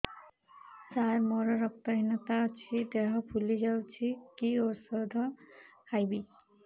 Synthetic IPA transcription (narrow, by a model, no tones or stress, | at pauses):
saɾmoɾʌɾʌk̚t̪ʌɦinʌt̪awt͡ʃʰid̪eɦʌpʰulid͡ʒawt͡ʃʰikioɾsʌd̪ʱʌhajbi